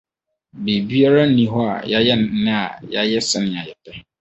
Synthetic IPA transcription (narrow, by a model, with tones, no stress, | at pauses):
be˨bi˦a˦ɾa˦nĩ˦ɦɔ˦a̰˨ja˦jɛ˦n˦nɪ̃˦a˨ja˦jɛ˦sɪ˨nɪ̃˨a˨jɛ˨pʰɛ˦